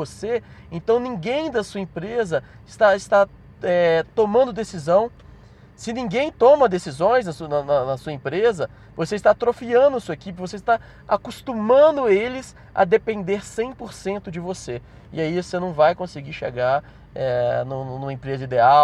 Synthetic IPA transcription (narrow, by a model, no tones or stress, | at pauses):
oseẽnt̪ɐ̃w̃nĩɡẽj̃d̪ɐsuɐẽpɾezɐ | ɪst̪aɪst̪a | ɛt̪omɐ̃nd̪ʊd̪esizɐ̃w̃ | sɪnĩɡẽj̃t̪õmɐd̪esizõj̃znɐsunɐnɐnɐsuɐẽpɾezɐ | voseɪst̪at̪ɾofiɐ̃nd̪ʊɐsuɐekipɪvoseɪst̪a | akust̪ũmɐ̃d̪ʊelɪs | ɐ̰d̪epẽnd̪eɾsẽj̃poɾsẽnt̪ʊd͡ʒɪvose | ɪ̰aivosenɐ̃w̃vajkõsɪɡiʃḛɡaɾ | ɛnʊ̃ñnũmɐẽpɾezɐid̪ea